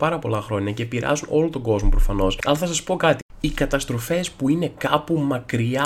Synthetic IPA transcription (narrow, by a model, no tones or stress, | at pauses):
pɐɾɐpo̞lɐxɾo̞ɲɐce̞piɾɐ̰zunʔo̞lo̞t̪o̞ɡo̞zmo̞pɾo̞fɐno̞sɐlɐθɐs̬ɐspo̞kɐt̪i̥ikɐt̪ɐst̪ɾo̞fe̞spuine̞kɐpumɐkɾiɐ